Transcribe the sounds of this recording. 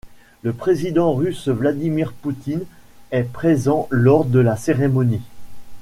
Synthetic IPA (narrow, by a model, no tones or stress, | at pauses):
ləpχezid̪ɑ̃ʁysvlad̪imiʁput̪in | ɛpχezɑ̃lɔʁd̪əlaseʁemɔni